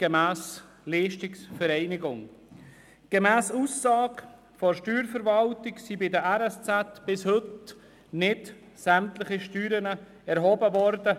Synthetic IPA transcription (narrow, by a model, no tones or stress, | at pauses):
ɡ̥emæːs | liːʃtɪksfəɾɛɪnɪɡʊŋ | ɡ̥emæːsuːsːɑːɡ | fɔʃtyːɾfəɾvɑltɪɡsibɪdəæɾɛst͡sætb̥ɪshɵt | nɪt | sæmtlɪχiʃtyːɾənə | ɛɾɦɔːbəvɔɾdə